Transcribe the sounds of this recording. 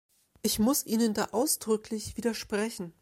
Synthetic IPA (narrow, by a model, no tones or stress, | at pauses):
ʔɪçmʊsʔiːnənda̰ːʔaʊsd̥ʁʏkʰlɪçv̥iːdɐʃpʁ̥ɛçn̩